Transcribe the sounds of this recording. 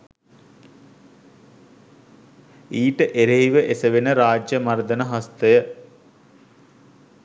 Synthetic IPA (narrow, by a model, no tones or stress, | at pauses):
iːʈəʔeɾeɦiʋəʔesəʋenəɾaːd͡ʒjəmaɾd̪ənəɦast̪əjə